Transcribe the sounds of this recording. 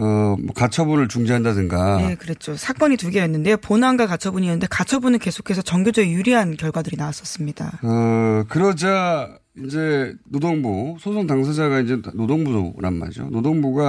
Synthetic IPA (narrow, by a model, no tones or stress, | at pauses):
ʌmwʌkat͡ɕʰʌbuɾɯɭt͡ɕuŋd͡ʑiɦandadɯŋɡajekɯɾet̚t͡ɕ͈ʰosʰak͈ʌɲituɡeenːɯnde̞joponanɡakat͡ɕʰʌbuɲienːɯnde̞kat͡ɕʰʌbunɯnke̞sʰo̥kʰe̞sʰʌt͡ɕʌŋɡjod͡ʑʌɡejuɾiɦankjʌɭɡwadɯɾinawas͈ʌs͈ɯmɲid̥a̰ʌkɯɾʌd͡ʑa | ind͡ʑe̞nodoŋbusʰosʰoŋtaŋs̬ʰad͡ʑaɡaind͡ʑe̞nodoŋbusʰoɾa̰nma̰ɾio̰nodoŋbuɡa